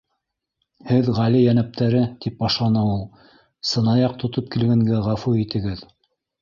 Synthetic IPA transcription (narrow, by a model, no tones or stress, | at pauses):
hɘðʁælijænæp̚t̪ʰæɾɘt̪ip̚bɑʃlˠɑnɑulˠ | sɤ̆nɑjɑqt̪ʰŏt̪op̚kilɡæŋɡæʁæfuit̪ɘ̆ɡɘð